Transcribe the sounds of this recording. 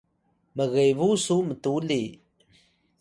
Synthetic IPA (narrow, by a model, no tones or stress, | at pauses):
məɣejvusumət̪uli